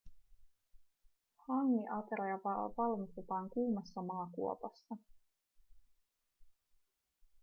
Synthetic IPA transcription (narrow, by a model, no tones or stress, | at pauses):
hɑŋːiʔɑt̪eɾɑjɑɑʋɑlmist̪et̪ɑːŋkuːmɑsːɑmɑːkuopɑsːɑ